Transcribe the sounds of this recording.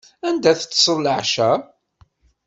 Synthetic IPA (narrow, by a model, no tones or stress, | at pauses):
ænd̪æθət͡sːsˤəɾləʕʃæ